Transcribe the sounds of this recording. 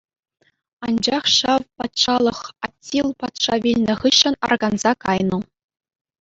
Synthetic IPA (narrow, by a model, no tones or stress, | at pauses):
ɑnd͡ʑɑχɕɑʋpɑt̪ʂɑlˠɤ̆χɑtʲːilˠpɑt̪ʂɑʋʲilʲnʲɘ̆χɯɕːɘ̆nɑ̰rɡɑnzɑkɑjnŭ